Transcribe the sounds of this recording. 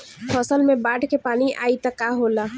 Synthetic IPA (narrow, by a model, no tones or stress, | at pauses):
pʰɔːsəlmebaːɖkepaːniʔaːit̪əkaɦola